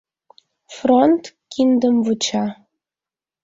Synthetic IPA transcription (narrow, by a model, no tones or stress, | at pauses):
front̪kind̪əmvɨt͡ɕɑ